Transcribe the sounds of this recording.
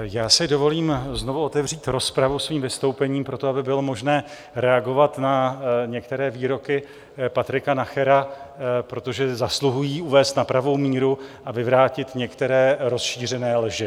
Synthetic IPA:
jaːsɪdo̞vo̞liːmzno̞vuot̪ɛvr̝iːt̪ɾo̞spɾavusviːmvɪst̪o̞wpɛɲiːmpɾo̞t̪o̞abɪbɪlo̞mo̞ʒnɛː | ɾɛaɡo̞vat̪naɲɛk̚t̪ɛɾɛːviːɾo̞kɪ | pat̪ɾɪkanaxɛɾapɾo̞t̪o̞ʒɛzasluɦujiːuvɛːst̪napɾavo̞wmiːɾuʔavɪvɾaːcɪt̪ɲɛkt̪ɛɾɛːɾo̞sʃiːr̝ɛnɛːlʒɪ

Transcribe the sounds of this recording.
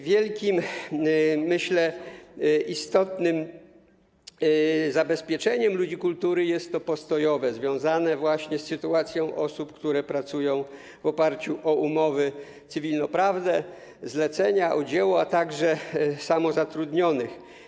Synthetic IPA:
vʲjɛlkʲimː | ɘɕlɛ | ʔist̪ɔt̪nɘm | zabɛspʲjɛt͡ʂɛɲɛmlud͡ʑikult̪uɾɘjɛst̪ːɔpɔst̪ɔjɔvɛzvʲjɔ̃w̃zanɛvwaɕɲɛsːɘt̪uat̪sʲjɔ̃w̃ʔɔsupkt̪uɾɛpɾat̪sujɔ̃w̃ | vɔpaɾt͡ɕuʔɔumɔvɘ | t̪sɘvʲilnɔpɾavd̪ɛ | zlɛt̪sɛɲaʔɔd͡ʑɛwɔat̪aɡʐɛsamɔzat̪ɾud̪ɲɔnɘx

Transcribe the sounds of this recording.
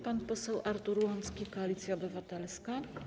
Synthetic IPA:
panpɔsɛwʔaɾt̪uɾuwɔnt̪skʲikɔalʲit̪sʲjaɔbɘvat̪ɛlska

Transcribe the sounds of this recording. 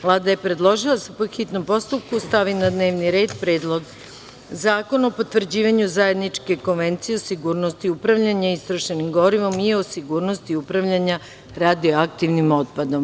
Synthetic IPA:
ʋlˠaːd̪ajepɾe̞d̪lˠo̞ʒilˠasepoxit̪no̞mpo̞st̪up̚kust̪aʋinad̪ne̞ːʋniɾe̞ːd̪pɾeːd̪lˠo̞ɡ | zaːko̞nopo̞t̪ʋvr̩d͡ʑiːʋaɲuzaje̞d̪nit͡ʃke̞ko̞nʋent̪sijeo̞siɡuːɾnost̪iupɾaʋʎaɲaist̪ɾoʃenimɡo̞ɾiʋo̞miosiɡuːɾno̞st̪iupɾaʋʎaɲa | ɾad̪ioak̚t̪iʋnimo̞t̪̚pad̪o̞m

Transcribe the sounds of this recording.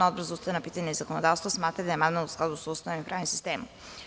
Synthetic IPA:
ɔd̪bɾazust̪avɛnapit̪aɲɛizakonod̪afst̪vosmat̪ɾad̪aɛmad̪nɛlˠusklazusɔust̪impɾavnsist̪ɛm

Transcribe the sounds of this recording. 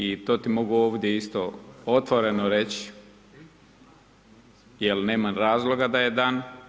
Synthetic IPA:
it̪o̞ːt̪imo̞ɡuoːʋd̪je̞ist̪o̞ot̪ʋoɾe̞noɾet͡ɕ | jelneːmanɾaːzlo̞ɡad̪aje̞d̪aːn

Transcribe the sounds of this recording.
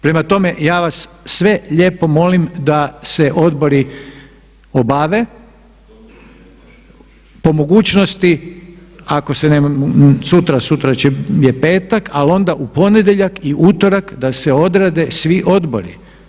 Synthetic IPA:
pɾe̞mat̪o̞me̞jaːʋasːʋe̞ʎe̞ːpo̞mo̞limd̪aseʔo̞d̪bo̞ɾi | o̞baːʋe̞ | po̞mo̞ɡuːt͡ɕno̞st̪i | ako̞senemamsut̪ɾasut̪ɾat͡ʃejepe̞ːt̪akalo̞nd̪aʔupo̞ned̪eʎakiʔut̪o̞ɾakd̪aseo̞d̪ɾad̪e̞sʋiʔo̞d̪bo̞̰ɾḭ

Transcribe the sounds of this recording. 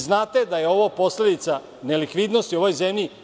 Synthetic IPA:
znaːt̪e̞d̪ajeo̞ʋopo̞sle̞d̪it̪sa | ne̞likʋid̪no̞st̪iuo̞ʋojzemʎi

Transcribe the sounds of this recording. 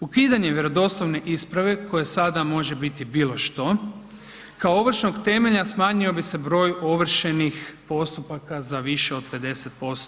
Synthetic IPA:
ukiːd̪aɲe̞ʋje̞ɾo̞d̪o̞slˠoʋne̞ʔispɾaʋe̞ko̞je̞sad̪amo̞ʒe̞bit̪ibiːlˠo̞ʃt̪o̞ | kaooʋr̩ʃnoɡt̪e̞me̞ʎasmaːɲio̞bise̞bɾo̞ːjo̞ʋr̩ʃenixpo̞st̪upakazaʋiʃe̞o̞d̪̚pe̞d̪e̞se̞t̪̚po̞st̪o

